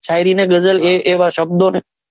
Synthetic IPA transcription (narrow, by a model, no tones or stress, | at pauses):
t͡ʃʰaːɪɾiːnẽːɡəzəleʔeːʋaːʃəb̚d̪oːneː